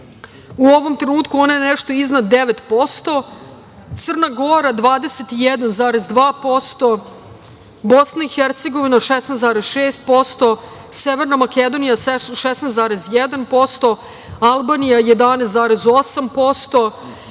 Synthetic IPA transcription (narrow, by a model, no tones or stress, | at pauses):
uo̞ʋo̞mt̪ɾenuːt̪kuo̞najenɛʃt̪o̞iznad̪ːeʋet̪po̞st̪o̞ | t̪sər̩naɡo̞ɾad̪ʋaːd̪eset̪ijɛd̪anzaːɾezd̪ʋaːpo̞st̪o̞ | bo̞snaixeɾt̪seɡo̞ʋinaʃesnezaːɾezʃeːst̪̚po̞st̪o̞ | seʋeɾnamaked̪o̞nijasʃɛsnezaːɾezjɛd̪anpo̞st̪o̞ | alˠbaːnijajed̪aːnest̪zaːɾezo̞sampo̞st̪o̞